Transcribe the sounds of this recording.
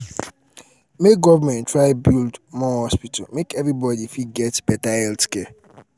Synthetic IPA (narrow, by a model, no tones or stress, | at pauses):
meɡɔvəmɛ̃ntɹaɪbildmɔhɔspitʰalmekevɾibɔdifiɡɛtbɛtaɛltke